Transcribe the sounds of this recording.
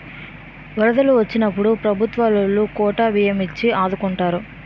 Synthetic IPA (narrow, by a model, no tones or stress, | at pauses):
ʋɐɾɐd̪ɐluʋɐt͡ʃːinɐpːuɽupɾɐbʱut̪ʋaːlulːukɔːʈaːʋijɐmit͡ʃːiaːd̪ukuɳʈaːɾu